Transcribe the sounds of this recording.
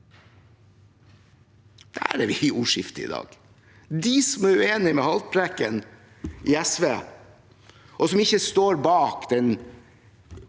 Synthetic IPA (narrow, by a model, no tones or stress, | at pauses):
d̪̥æ̰ɾæʋɪuːʂɪft̪əɪ̰ːd̪ɑ̰ːɡ̥ | d̪iːsɔmæɾʉeːnɪmɛːhɑlt̪̚pʰɾækən | ʔiːæsʋeː | ʔɔsɔmɪçəst̪oːɾbɑːkd̪̥ɛn